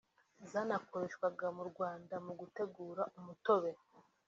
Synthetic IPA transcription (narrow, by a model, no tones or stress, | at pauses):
zaːnako̞ɾe̞ʃkwaɡamuɾɡwaːndamuɡute̞ɡuːɾaʔumuto̞βe̞